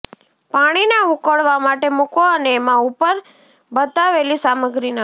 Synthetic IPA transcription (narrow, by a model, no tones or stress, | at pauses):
paɽ̃inaʊkəɭʋamaʈemukoəneːmãupəɾ | bət̪aʋelisaməɡɾina